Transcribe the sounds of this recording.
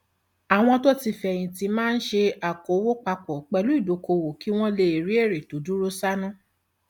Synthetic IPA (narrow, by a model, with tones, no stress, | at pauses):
a˨w̃ɔ̃˧to˦ti˧fɛ˨j̃ĩ˨ti˧mãː˦n̩˦ʃe˧a˨ko˨˦wo˦k͡pa˧k͡pɔ˨k͡pɛ˧lu˨˦i˦˨do˨˦ko˧wo˨ki˨˦w̃ɔ̃˦le˧e˨ɾi˦e˦˨ɾe˨to˨˦du˦ɾo˦sa˦nũ˦